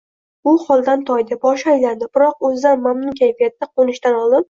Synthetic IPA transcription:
ʊχɒlˠd̪ant̪ʰɒjd̪ɪbɒʃajland̪ɪbɪɾɒq̚ɵzd̪anmamnʊnkʲʰajfijat̪ːaqʰonɪʃt̪anɒlˠɪp̚

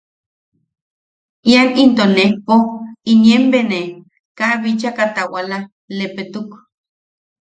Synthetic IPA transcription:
janint̪onehpoinjembene | kaβit͡ʃakat̪awala | lepet̪uk

